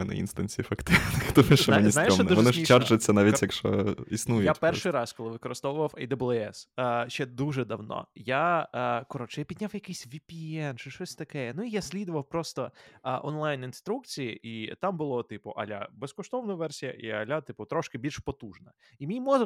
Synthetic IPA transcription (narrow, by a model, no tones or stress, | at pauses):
mɛnɛ̰ḭnst̪ɐnʲt͡sʲifɐkt̪ɪnɪxt̪ɔmɛʃzɛnʲisnajɪʃmnuʋɔnɪʃʲit͡ʃad͡ʒʊt͡sʲːɐnaʋʲitʲjɐkʃt͡ʃɔ̰isnujʊjapɛrʃɪjɾɑskɔlˠɪʋɪkɔɾɪst̪ɔʋʊʋɐwɐjd̪ɐblˠɛsʃt͡ʃɛd̪uʒɛd̪ɐwnɔ̰jakɔɾɔt͡ʃɛjapʲid̪ʲnʲawjɐkɪjsʲʋʲipʲiɛnt͡ʃɪʃt͡ʃɔsʲt̪ɐkɛɛnuijasʲlʲid̪ʊʋɐwpɾɔst̪ɔʔɔnlˠajninst̪ɾuk̚t͡sʲijiʔit̪ambʊlˠɔt̪ɪpʊʔɐ̰lʲa̰bɛskɔʃt̪ɔʋnɐʋɛrsʲijɐ̰ʔiɐlʲat̪ɪpʊt̪ɾɔʃkɪbʲilʲʃpɔt̪uʒnɐ | imʲijmɔz